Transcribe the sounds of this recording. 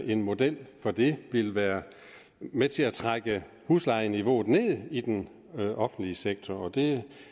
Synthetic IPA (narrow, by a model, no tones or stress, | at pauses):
ʔe̝nmo̝d̥el̰fɒ̽d̥e̝ʋe̝lʋæːɐ | met͡sʰe̝æt͡sʰʁaɡ̥ə | huslɑ̈ɪəniʋo̝̰ːð̩ˠne̝ð̞̰ˠid̥en | ʔɒ̽fn̩d̥liəseɡ̥̚t͡sʰɒɒ̽d̥e̝